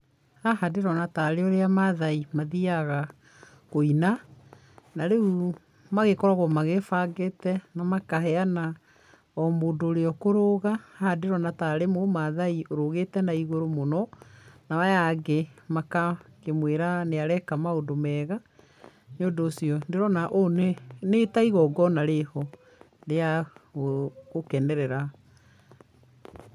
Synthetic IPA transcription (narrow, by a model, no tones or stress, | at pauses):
ahadeɾɔnataɾeɔɾeamaðaimaðiaɣa | koina | naɾeu | maɣekɔɾaɣwɔmaɣefaɡetɛnamakahɛana | ɔmodoɾeɔkoɾoɣahahadeɾɔnataɾemomaðaioɾoɣetɛnaiɣoɾomonɔnawajaɡemakakemweɾaneaɾɛkamaodomɛɣa | nodoːsiɔndeɾɔnaʔonenetaiɣɔɡɔnaɾehɔ | ɾeaoɣokɛnɛɾɛɾa